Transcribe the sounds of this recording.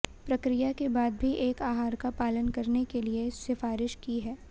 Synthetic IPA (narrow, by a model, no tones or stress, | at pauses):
pɾɐkɾijakebaːd̪̚bʱiʔeːkaːɦaːɾkapaːlənkɐɾnekeliesɪfaːɾɪʃkiɦɛː